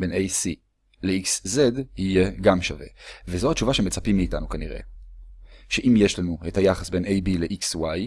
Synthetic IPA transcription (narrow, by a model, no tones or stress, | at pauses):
be̞nejsi | leikszedhije̞ɡamʃave̞̰vezohat͡ʃuvaʃeme̞t͡sapimːiːta̰nukaniʁe̞̰ | ʃe̞ʔimje̞ʃlanuethajaχasbe̞nejbileʔikswaj